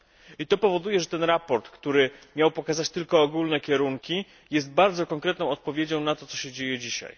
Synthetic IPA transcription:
it̪ɔpɔvɔd̪ujɛʐɛt̪ɛnɾapɔɾt̪kt̪uɾɘmʲjawpɔkazat͡ɕt̪ɘlkɔːɡulnɛkʲɛɾuŋkʲi | jɛst̪̚baɾd̪zɔkɔŋkɾɛt̪nɔ̃w̃ɔt̪̚pɔvʲjed͡ʑɔ̃w̃nat̪ɔt̪sɔɕɛd͡ʑejɛd͡ʑiɕa̰j

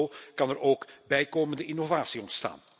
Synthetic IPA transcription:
kɑnɛɾʔoːkbɛjkoːməndəʔɪnovaːsiɔntsta̰ːn

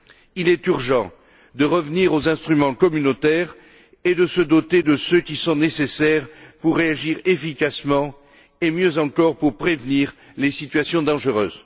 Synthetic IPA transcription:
ilɛt̪yʁʒɑ̃ | d̪əʁəvniʁozɛ̃st̪χymɑ̃kɔmynot̪ɛʁ | ed̪əsəd̪ɔt̪ed̪əsøkʲisɔ̃nesesɛʁpuʁːeaʒiʁefikasmɑ̃ | emjøzɑ̃kɔʁpuʁpχevniʁ | lesit̪ɥasjɔ̃d̪ɑ̃ʒəʁø̰ːz

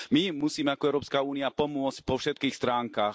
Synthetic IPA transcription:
mimusiːmɛakɔɛʊɾɔːpskauːniapɔmʊɔt͡sc̚pɔfʃɛt̪̚kiːxst̪ɾaːŋkaːx

